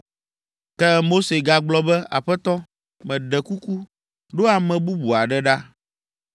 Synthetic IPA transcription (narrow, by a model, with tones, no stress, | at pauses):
kɛ˦mo˦se˨ɡa˨ɡ͡blɔ˦bɛ˦a̰˨ɸɛ˦t̪ɔ˦ | mɛ̃˨ɖɛ˨ku˦ku˦ | ɖo˦a˨mɛ̃˨bu˦bu˨a˨ɖɛ˦ɖa˦